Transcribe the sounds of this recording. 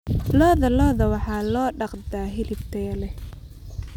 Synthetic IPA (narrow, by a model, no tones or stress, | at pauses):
lɔːðɐlɔːðɐwɑħɑːlɔːɖɑqd̪aːɦɪlɪft̪ʰɐjɐlɛ